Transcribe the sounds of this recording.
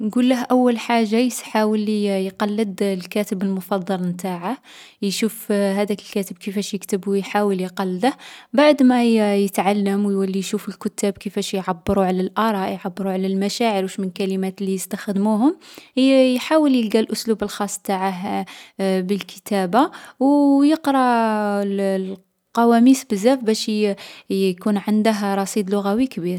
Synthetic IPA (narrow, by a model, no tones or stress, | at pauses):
nɡulːəhʔæwːəlħaʒːajəsħawəlːijqɑlːəd̪lkæt̪əbəlmʊfɑd̪ˤːɑlmt̪aʕah | jʃufhæd̪ækəlkæt̪əb̚kəfæʃjəkt̪əbujħawəljqɑlːd̪əhbaʕd̪mæjət̪ʕalːəmwjwəlːijʃufəlkʊt̪ːæbkəfæʃjʕabːəɾuʕalælʔɑɾˤɑjʕabːəɾuʕalælmæʃæʕəɾwʃmənkælimæt̪lːijəst̪əxd̪muhʊmhjħawəljəlɡælʔʊslubəlxɑsˤt̪aʕaɦ | bəlkʰə̥t̪æbawjəqɾˤɑll | qɑwæmisbəzːæfbæʃ | kunʕand̪əɦɾˤɑsˤid̪lʊɣæwikbiɾ